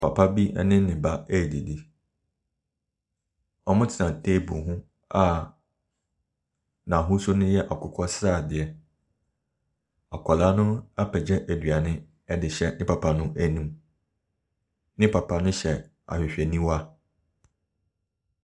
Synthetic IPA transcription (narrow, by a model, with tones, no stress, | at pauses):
pʰa˨pʰa˦bi˦ɛ̰˦nɪ̃˦nɪ̃˨ba˦æ˦˨di˨di˦ | ɔ˦mʊ̃˦tʰɪ˨nã˨tʰeː˦bṵ̃˨ɦũ˦ | a˦˨ | nã˨ɦʊ̃˦sʊ˦nʊ̃˦jɛ˦ʔa˨kʰʊ˨kʰɔ˦sɾaː˦˨dɪ˨ɛ˨ | a˨kʷʰɔ˨la˦nʊ̃˦a˦pʰɛ˨d͡ʑɛ˦ʔæ˨dɥa˨nɪ̃˦ | ɛ˦dɪ˨ɕɛ˨nɪ̃˦pʰa˨pʰa˨nʊ̃˦ʔæ˨nĩ˦m | nɪ̃˦pʰa˨pʰa˦nʊ̃˦ɕɛ˨ | a̰˨ɕᶣɪ˨ɕᶣɛ˨nĩ˦wa˦